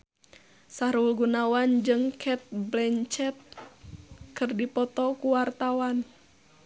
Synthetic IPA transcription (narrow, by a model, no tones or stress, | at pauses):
saɾulɡunawand͡ʒɨŋkʰɛt̪̚blɛɲt͡ʃɛt̪̚ | kɨrdipɔt̪ɔkuwart̪awan